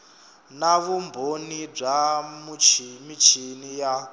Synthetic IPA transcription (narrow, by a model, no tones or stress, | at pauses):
naβumbʱonib͡ʐamut͡ʃmit͡ʃʰinija